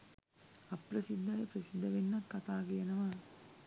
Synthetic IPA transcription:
ɐpɾɐsid̪ʱːɐjɐpɾɐsid̪ʱːɐʋenːɐt̪kɐt̪aːɡejɐnɐʋa

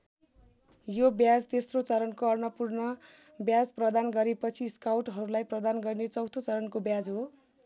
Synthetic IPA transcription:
jobjad͡zt̪esrot͡sʌɾʌnkoʌrnʌpurnʌ | bjad͡zprʌd̪anɡʌɾepʌt͡sʰiskawʈɦʌɾulajprʌd̪anɡʌrinet͡sʌwt̪ʰot͡sʌɾʌnkobjad͡zɦo

